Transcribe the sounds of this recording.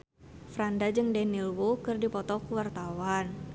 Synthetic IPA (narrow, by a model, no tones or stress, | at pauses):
fɾandad͡ʒɨŋdɛnilwokɨrdipɔt̪ɔkuwart̪awan